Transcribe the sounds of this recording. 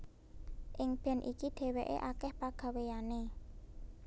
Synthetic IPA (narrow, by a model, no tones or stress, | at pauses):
ʔɪŋb̥ɛ̤nʔikiɖ̪̥ɛ̤weʔḛʔakɛhpaɡ̥ä̤wejane